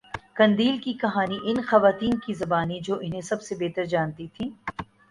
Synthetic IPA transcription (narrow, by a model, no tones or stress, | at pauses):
kɐ̃nd̪iːlkikɐɦaːniʔɪnxɐʋaːt̪iːnkizɐbaːnid͡ʒoːʔɪnɦẽsɐbsebeːt̪əɾd͡ʒaːnt̪it̪ʰĩː